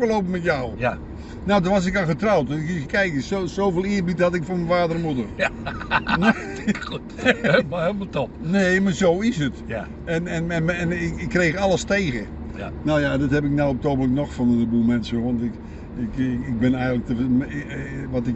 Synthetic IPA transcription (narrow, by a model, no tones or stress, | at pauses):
əloːpəmɛtjaw | nowdəʋasɪkaxətrawtkikɛjkəsosowvɪːlˠɪərbithatɪkformənfaːdərmudər | no | helmətopneːmarzowɪsət | ɛnɛnɛɛnɪkɪkːreːxɑlˠəsteːɣə | noːjadɪthɛpɪk̚nawɔp̚tobələknɔxfɔnəbumɛnsəʋɔntɪk | ɪkɪk̚bɪnɛjɣəŋnlək̚təmʋɔtɪk